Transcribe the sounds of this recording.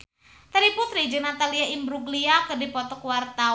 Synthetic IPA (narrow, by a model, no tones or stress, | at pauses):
t̪aɾiput̪ɾid͡ʒənat̪aliaimbɾuɡliakɨrdipɔt̪ɔkuwart̪a